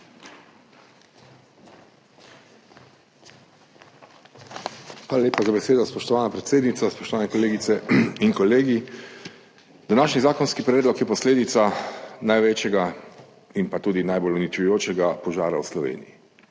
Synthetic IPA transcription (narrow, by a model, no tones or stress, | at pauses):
xʋaːlaleːpazabɛseːd̪ɔspɔʃt̪ɔʋaːnapɾɛt̪seːd̪nit̪saspɔʃt̪ɔʋaːnɛkɔleːɡit̪sɛiŋkɔleːɡi | d̪anaːʃnizaːkɔnskipɾɛːd̪lɔkjɛpɔsleːd̪it̪sanajʋet͡ʃjɛɡa | inpat̪uːd̪inajbolunit͡ʃujoːt͡ʃɛɡapɔʒaːɾawslɔʋḛːnḭji